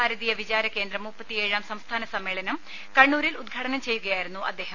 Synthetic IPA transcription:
aːɾɐðijɐʋid͡ʑaːɾɐke̞ːnd̪ɾrɐmːupːɐt̪ːie̞ːɻaːmsɐmst̪ʰaːnɐsɐmːe̞ːɭɐnɐm | kɐɳːuːɾilud̪̚ɡʱaːɽɐnɐmt͡ɕe̞jːuɣɐjaːjiɾunːuʔɐ̰d̪ːeːɦɐm

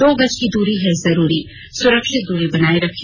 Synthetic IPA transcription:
d̪oːbɐt͡ʃkid̪uːɾiɦɛzɐɾuːɾi | sʊɾəkʃɪt̪̚d̪uːɾibɐnaːeɾɐkʰ

